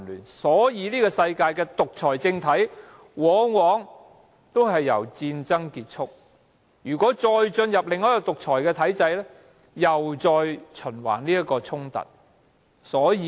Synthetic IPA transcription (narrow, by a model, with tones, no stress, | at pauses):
ly̰ː˨˩nsɔː˨˥jiː˨˧niː˥kɔː˧sɐ˧jkaː˧jkɛː˧t̪ʊ˨k̚t͡ʃʰɔː˨˩jt͡sɪ˧ŋt̪ʰɐ˨˥j | wɔː˨˥wɔː˨˥ŋ | t̪o˥wɦɐ˨jːɐ̰˨˩wt͡siː˧nt͡sɐ˥ŋkiː˧t̚t͡ʃʰʊ˥k̚ | jyː˨˩kʷwɔː˨˥t͡ʃɔː˧jt͡ʃɵ˧njɐ˨p̚lɪ˨ŋːɔː˥jɔ˧t̪ʊ˨k̚t͡ʃʰɔː˨˩jkɛː˧t̪ʰɐ˨˥jt͡sɐ˧jlɛ˥ | jɐ˨wt͡sɔː˧jt͡ʃʰɵ˨˩nwa̰ː˨˩nliː˥jɐ˥tkːɔː˧t͡sʰʊ˥ŋt̪ɐ̰˨˩t̚ | sɔː˨˥jiː˧